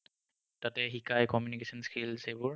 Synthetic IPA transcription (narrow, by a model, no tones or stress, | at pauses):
tatɛɦikʰajkɔmjunikesɔnskʰilsebʊɹ